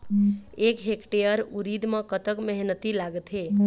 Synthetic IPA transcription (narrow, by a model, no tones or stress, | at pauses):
ekɦekʈejəɾuɾid̪mãkət̪əkmɛɦnət̪ilaɡt̪ɦe